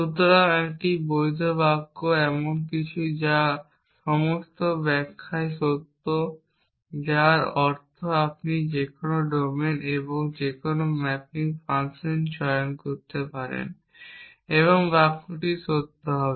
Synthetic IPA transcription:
ʃut̪ːoɾaŋɛkʈibojd̪ʱobakːoɛmonkit͡ɕʰud͡ʑa | ʃɔmost̪obɛkʰːaeʃot̪ːo | d͡ʑaɾɔɾt̪ʰoap̚nid͡ʑekonoɖomeneboŋd͡ʑekonomɛpiŋfansent͡ɕɔonkoɾt̪epaɾḛn | eβoŋbakːoʈiʃot̪ːoɦɔbe

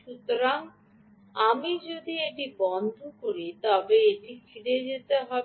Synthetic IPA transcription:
ʃut̪oɾaŋ | amid͡ʑod̪ieʈibɔnd̪ʱokoɾit̪ɔbeeʈikʰiɽed͡ʑet̪eɦɔ

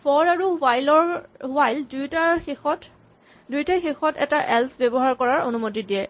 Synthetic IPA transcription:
pɔɹaɹuwajlɔɹwajldujtaɹɔt | dujtaxexɔtɛ̰taʔɛlsbɛbɔɦaɹkɔɹaɹo̰numotidijɛ

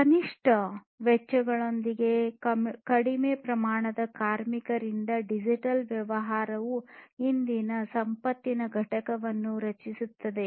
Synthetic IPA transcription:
kɐniʂʈʰɐ | ʋɛt͡ʃːɐɡɐɭo̞nd̪iɡe̞kɐɽimeːpɾɐmaːɳɐd̪ɐkaːɾmikɐɾind̪ɐɖid͡ʒiʈɐlʋjɐʋɐɦaːɾɐʋuɦind̪inɐsɐmpɐt̪ːinɐɡʱɐʈɐkɐʋɐnːuɾɐt͡ʃisut̪ːɐd̪e̞

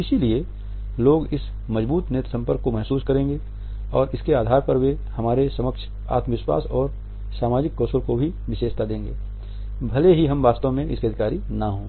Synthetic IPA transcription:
ɪsilie | loːɡɪs | mɐzbuːt̪neːt̪sə̃mpəɾkːomɛɦsuːskɐɾẽːŋɡe | ɔːɾɪskeaːd̪ʱaːɾpɐɾʋe | hɐmaːɾesɐməkʃʰ | a̰ːt̪məʋɪʃwa̰ːsɔːɾ | saːmaːd͡ʒɪkːɔːsəlkobʱiʋɪʃeːʃt̪ad̪ẽːŋɡḛː | bʱɐleɦiɦɐmʋaːst̪õmẽɪ̰skiɐd̪ʱɪkaːɾinaɦõː

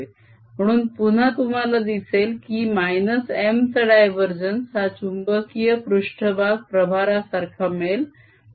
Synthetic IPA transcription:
m̤əɽ̃uːnpun̤at̪um̤alad̪iselkiːmajnəsemt̪əɽajʋəɾd͡ʑənsat͡ɕumbəkijəpɾuʂʈʰəbʱaɡ̚pɾəbʱaɾasaɾkʰamel

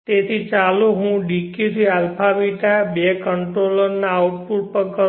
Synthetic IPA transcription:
t̪et̪ʰit͡ʃaloɦũɖikit̪ʰialpʰabiʈ̪abekəɳʈɾoləɾnaːuʈ̚puʈ̚pəkə

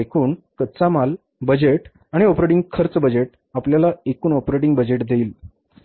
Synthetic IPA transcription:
ekʰuːnkəd̪t͡samal | bəd͡ʑeʈ | aɽ̃iɔpɾeʈiŋɡkʰəɾt͡səbəd͡ʑeʈ̚ | apljalaekuːnɔpɾeʈ̬iŋɡbəd͡ʑeʈd̪ʱeiːl

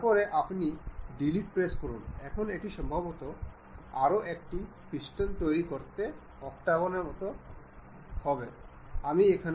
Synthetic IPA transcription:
pɔɾeʔapniɖiliʈ̚pɾeskɔɾunɛkʰoneʈiʃɔmbʱabot̪o | aɾoʔek̚ʈi | piʃʈont̪ojɾikoɾt̪e | ɔk̚t̪aɣoneɾmɔt̪o | hɔbe | amiekʰan

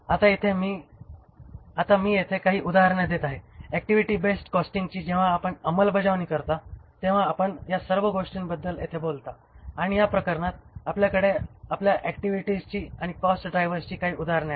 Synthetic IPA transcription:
at̪ajet̪ʰemiː | at̪amiːjet̪ʰekaɦiːʔud̪aɦəɾɳjad̪et̪aɦeɛk̚ʈiʋiʈiːbesʈkɔsʈiŋɡt͡ɕiːd͡ʑẽʋ̤aːpəɳəməlbəd͡zaʋniːkəɾt̪at̪ẽʋ̤aːpəɳjasəɾʋəɡoʂʈinbəd̪ːəljet̪ʰebolt̪a | aɽ̃ijapɾəkəɾɳat̪apljakəɽeapljaʔɛkʈiʋiʈid͡zt͡ɕiːaɽ̃ikɔsʈɖɾajʋəɾt͡ɕiːkaɦiːud̪aɦəɾɳja

